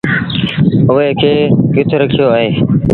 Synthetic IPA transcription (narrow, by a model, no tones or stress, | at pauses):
ɦʊːeːkʰeːkɪt̪ʰɾəkʰɪjoːaːɦeː